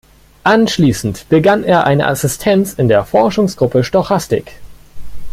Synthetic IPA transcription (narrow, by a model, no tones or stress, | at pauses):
ʔanʃliːsn̩tb̥əɡanʔeːɐʔaɪnə̰ʔa̰sɪstʰɛnt͡sɪndeːɐfɔɐʃʊŋsɡ̥ʁʊpəʃtɔχastɪ̰k